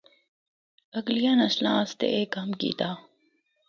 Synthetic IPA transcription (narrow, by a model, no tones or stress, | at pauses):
ɐɡlijaːnɐslãːst̪ḛʔeːkɦɐmkḭːt̪aː